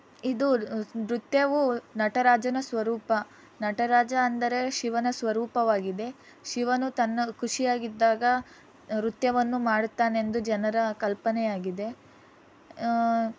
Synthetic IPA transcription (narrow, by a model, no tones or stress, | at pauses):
id̪uɾut̪jɐʋunɐʈɐɾaːd͡ʒɐnɐsʋɐɾuːpɐ | nɐʈɐɾaːd͡ʒɐːnd̪ɐɾe̞ʃiʋɐnɐsʋɐɾuːpɐʋaːɡid̪e̞ | ʃiʋɐnut̪ɐnːɐkuʂijaːɡid̪ːaːɡɐ | ɾut̪jɐʋɐnːumaːɽut̪ːaːnend̪ud͡ʒɐnɐɾɐkɐlpɐnɛjaːɡid̪e̞